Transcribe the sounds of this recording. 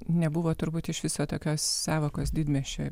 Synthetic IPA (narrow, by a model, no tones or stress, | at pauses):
nʲɛbʊʋoːt̪ʊɾbuːt̪ɪʃʋʲɪsoːt̪oːkʲoːssɑːʋoːkoːsd̪ʲiːd̪ʲmʲɛʃʲo̰ː